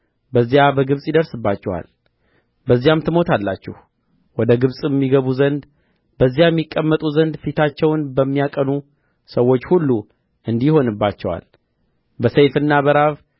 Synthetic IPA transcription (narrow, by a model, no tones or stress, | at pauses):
bəzːijabəɡɨβsʼjɪd̪əɾsɨbːat͡ʃːɛwa̰l | bəzːijamt̪ʰɨmo̞t̪alːat͡ʃːɛh | wɔd̪əɡɨβsʼɨmːiɡəβuzənd̪ | bəzːijajɛmːikʼːəmːət̪ʼuzənd̪fit̪ʰat͡ʃːɛwnbəmːijakʼənu | səwːo̞t͡ʃːhulːu | ɨnd̪iho̞nɨbːat͡ʃːɛwa̰l | bəsejfɨnːaβəɾaβ